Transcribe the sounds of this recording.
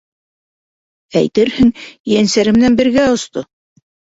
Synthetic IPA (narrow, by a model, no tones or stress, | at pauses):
æjt̪ɘɾhɘŋjænsæɾɘ̆mɘ̆nænbɘ̆ɾɡæŏst̪o